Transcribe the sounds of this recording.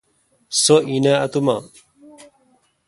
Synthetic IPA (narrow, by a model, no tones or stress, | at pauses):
soineɐt̪uma